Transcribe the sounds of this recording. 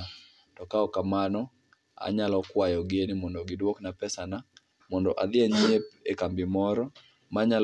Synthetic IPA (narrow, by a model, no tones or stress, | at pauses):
tɔkaɔkamanɔ | a̰ɲalɔkwajɔɡenimɔndɔɡɪdwoknapɛsana | mɔndɔʔad̪ɪɛɲep̚ekambɪmɔɾɔ | maɲal